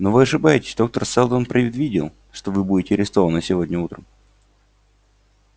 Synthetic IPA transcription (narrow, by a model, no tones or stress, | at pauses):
novɨɐʂɨbajɪtʲɪ̥sʲd̪o̞k̚t̪ərsɛlˠd̪onpɾʲɪvʲɪd̪vʲidʲɪ̰lˠ | ʂt̪ovɨbudʲɪtʲɪɐɾʲɪst̪o̞vənəsʲɪvo̞dʲnʲəut̪ɾəm